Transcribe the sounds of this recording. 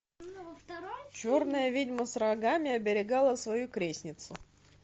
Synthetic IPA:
t͡ɕo̞rnəjəvʲidʲməsrɐɡamʲɪɐbʲɪɾʲɪɡalˠəsvɐjukɾʲesʲnʲɪt̪sʊ

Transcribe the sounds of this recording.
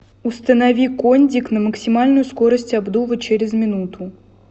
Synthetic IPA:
ʊst̪ənɐvʲikonʲdʲɪknəməksʲɪmalʲnʊjʊskoɾəsʲtʲabd̪uvət͡ɕeɾʲɪzmʲɪnut̪ʊ

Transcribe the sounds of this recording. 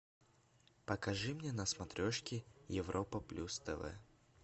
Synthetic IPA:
pəkɐʐɨmnʲenɐsmɐt̪ɾʲoʂkʲɪjɪvɾʔopəplʲʔust̪ɛ̰vɛ̰

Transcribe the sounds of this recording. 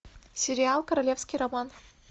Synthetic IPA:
sʲɪɾʲɪalˠkɐɾɐlʲefskʲijɾɐman

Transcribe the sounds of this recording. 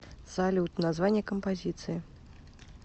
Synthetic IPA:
zalʲuwt̪nazvanʲːɛkəmpazʲit̪sɨji

